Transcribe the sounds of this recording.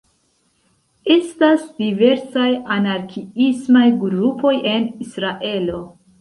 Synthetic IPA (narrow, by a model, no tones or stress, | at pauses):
e̞stasdive̞ɾsajanaɾkʰiismajɡɾupo̞je̞nisɾaʔe̞lo̞